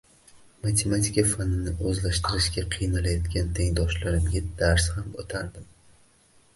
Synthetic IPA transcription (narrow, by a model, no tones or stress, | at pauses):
mat̪ʲʰe̞mat̪ʲʰikafanɪnɪʔɵzlaʃt̪ɪɾɪʃɡʲaqʰɨjnalajɒt̪kʲant̪ʰe̞ŋd̪ɒʃlaɾɪmɡʲad̪aɾshamot̪ʰaɾd̪ɪm